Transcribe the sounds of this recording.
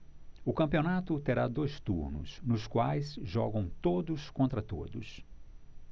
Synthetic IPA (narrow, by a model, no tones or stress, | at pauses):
ʊkɐ̃mpionat̪ʊt̪eɾad̪ojst̪uɾnʊ̰snʊskwajsʒɔɡɐ̃w̃t̪od̪ʊskõnt̪ɾɐt̪o̰d̪ʊ̰s